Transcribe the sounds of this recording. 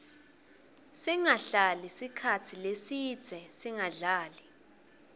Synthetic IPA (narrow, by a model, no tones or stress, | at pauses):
siŋaɬalisikʰatʰilesi̥ːz̥ʱɛsiŋaɮaːli